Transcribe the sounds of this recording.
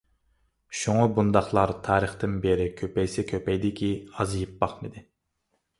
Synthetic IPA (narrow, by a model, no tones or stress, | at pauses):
ʃuŋɑbund̪ɑχlˠɑɾt̪ʰɑːɾəχt̪ɨnbeɾɪkʲʰøpɛjsɪkʲʰøpɛjd̪ɪkʲʰiɑzjip̚bɑχmɨd̪ɪ